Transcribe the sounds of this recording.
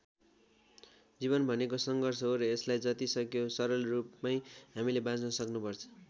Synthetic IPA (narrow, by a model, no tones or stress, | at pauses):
d͡ziβʌnbʱʌnekosʌŋɡʌrsʌɦoɾʌeslajd͡zʌt̪isʌkjosʌɾʌlrupmajɦamilebãd͡znʌsʌknupʌrt͡sʰʌ̥